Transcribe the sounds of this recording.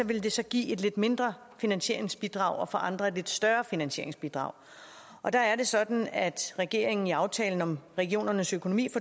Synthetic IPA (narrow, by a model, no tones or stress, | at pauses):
ɒ̽ʋe̝ld̥e̝sɒ̽ɡ̥ḭːe̝d̥le̝d̥me̝nd̥ʁɐ | finænɕe̝̰ɐ̰e̝ŋsb̥id̥ʁɑ̈ʊɒ̽fɒ̽ʔɑ̈nd̥ʁɐed̥le̝d̥sd̥ɶɐfinænɕe̝ɐ̰eŋsb̥id̥ʁɑ̰̈ʊ̰ | ʔɒ̽d̥ɑ̈æɐɾe̝sɒ̽d̥n̩æd̥ʁɛɡ̥e̝̰ɐ̰eŋn̩iɑ̈ʊt͡sʰɛ̰ːln̩ɒ̽mʁɛɡ̥io̝̰ːnɐnəsøkʰo̝no̝mḭːfɒ